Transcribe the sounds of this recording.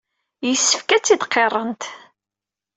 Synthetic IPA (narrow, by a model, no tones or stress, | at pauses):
jəsːəfkæt͡sːid̪qʰːerˤːənt̪